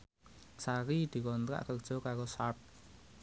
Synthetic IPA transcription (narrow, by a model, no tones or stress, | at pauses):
saɾid̪̥i̤kɔnt̪ɾa̰ʔkək̚d̥ʒ̥ɔ̤kaɾosap̚